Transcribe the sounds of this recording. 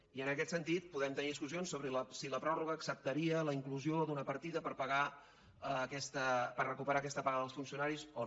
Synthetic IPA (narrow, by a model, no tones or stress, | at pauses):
iənəkɛt̪sənt̪it̪̚puðɛmt̪əniðiskuzionsːoβɾələsiləpɾɔruɣəːksəp̚t̪əɾiələiŋkluziod̪unəpəɾt̪iðəpəɾpəɣa | əːkɛst̪əpərrəkupəɾakɛst̪əpaɾɣəðəlˠsfunsiunaɾizo